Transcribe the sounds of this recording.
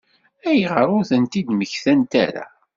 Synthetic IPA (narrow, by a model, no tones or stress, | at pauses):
æjʁəɾˤʊɾθənt̪id̪məçθænt̪æ̰ɾa̰